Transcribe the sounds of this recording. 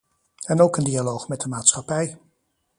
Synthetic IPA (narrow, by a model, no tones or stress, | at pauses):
ɛnowkəndialowχmɛt̚dəmaːtsχɑpɛj